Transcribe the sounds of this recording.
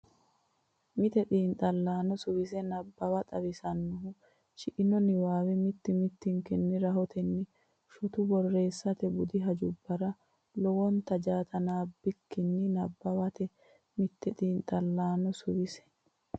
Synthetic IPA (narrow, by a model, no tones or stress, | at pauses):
mɪt̪ɛt̪ʼiːnt̪ʼɐlːaːnɔsʊwɪs̬ɛnɐbːɐbɐt̪ʼɐβɪsɐnːʊɦʊ | t͡ʃɪʔɪnɔnɪwaːwɛmɪt̪ːɪmɪt̪ːɪŋkɛnːɪɾɐɦɔt̪ʰɛnːɪ | ʃʊt̪ʊbɔrːe̞ːsːɐt̪ɛbʊd̪ɪɦɐd͡ʒʊbːɐɾɐ | lɔwɔnt̪ɐd͡ʒaːt̪ɐnaːbːɪkːɪnːɪnɐbːɐbɐt̪ɛ | mɪt̪ːɛt̪ʼiːnt̪ʼɐlːaːnɔsʊwɪsɛ̥